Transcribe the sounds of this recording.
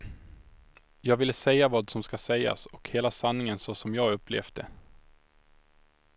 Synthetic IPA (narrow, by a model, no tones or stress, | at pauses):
jɑːɡvɪlːəsɛjːavɑːd̪sɔmskasɛjːa̰sɔkheːlasanːɪŋənsɔsɔmjɑːɡɵpːlḛːvd̪ə